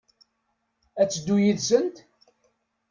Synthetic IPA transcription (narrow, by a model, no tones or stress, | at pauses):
æt͡sːd̪ːujiðsənt̪